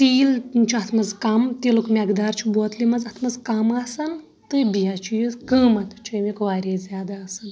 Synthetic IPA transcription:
t̪iːlnt͡ʃʰiɐt̪ʰmɐzkɐmt̪ilukmʲɐɡd̪aːɾt͡ʃʰiboːt̪limɐzɐt̪ʰmɐzkɐmɐsɐn | t̪ɨbijat͡ʃʰijizkɨːmɐt̪t͡ʃʰumikʋaːɾʲeːzʲjaːd̪aːsɐn

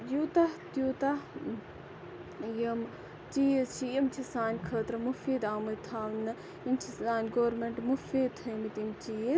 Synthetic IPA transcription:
jut̪aht̪juːt̪a | jɐm | t͡ʃijest͡ʃʰijimt͡ʃʰisaːnʲkʰəːt̪ɾmufiːd̪aːmɐlt̪ʰaːlmnɐ | imt͡ʃʰisaːnʲɡoːɾmeɳʈmufiːd̪ʰɐmit̪imt͡ʃije

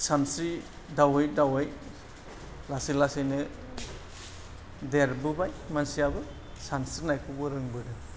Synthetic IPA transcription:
sansi | dawɯjdawɯj | lasilasɯjnɯ | deɾbɯbajmansiabɯ | sansinajkʰubɯɾɯŋbɯdɯ

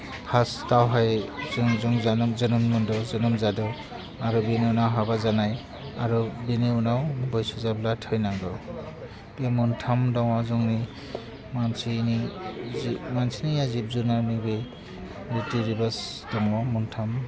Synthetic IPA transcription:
pʰastawɦajzɔŋzɔŋzanɔzɔnɔmmɔndɔzɔnɔmzadɔ | aɾubineunawɦaβazanaj | aɾubiniunawbɔjsuzablatʰɯjnaŋdɔ | temuntʰamdɔŋwazɔŋni | mansiniimansinijazip̚zunanibe | ɾitiɾibasdɔŋwamuntʰam

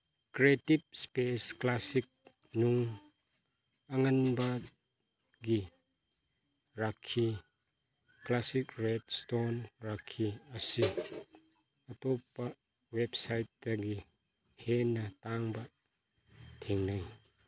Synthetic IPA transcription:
kɾetip̚spesklasik̚ | nuŋ | ɐŋanba | ɡi | ɾakʰːi | klasikɾedstonɾakʰːiɐsi | ɐtɔpːa | websajt̚dɐɡi | henːɐtaŋbɐ | tʰeŋnaj

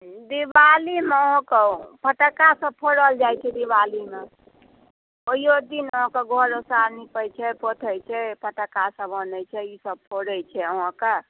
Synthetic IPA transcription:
d̪ibalimeəɦãkepʰəʈəkasə̃b̚pʰoɽəld͡ʒajt͡ʃʰɛd̪iʋalime | oɦijod̪inəɦãkeɡʱəɾosaɾnipəjt͡ʃʰɛpʰot̪ʰəjt͡ʃʰɛpʰəʈəkasə̃bənɛt͡ʃʰɛisəb̚pʰoɽəjt͡ʃʰɛəɦãke

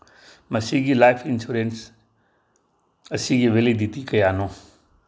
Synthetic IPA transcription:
mɐsiːɡiːlaːɪfɪnsuːɾens | ɐsĩːd͡ʑiːʋeːlid̪ʱit̪ikɐjaːnõː

